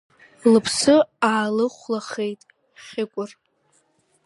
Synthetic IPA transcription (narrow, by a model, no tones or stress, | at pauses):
lɨpʰsɨaːlɨχʷlaχejtʼ | χʲɪkʷʼʊr